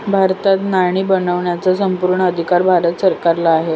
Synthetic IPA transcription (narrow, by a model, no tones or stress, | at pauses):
bʱaɾt̪at̪naɳ̃iːbənəʋɳjat͡sasəmpuɾɳəəd̪ʱikaɾbʱaɾət̪səɾkaɾlaːɦe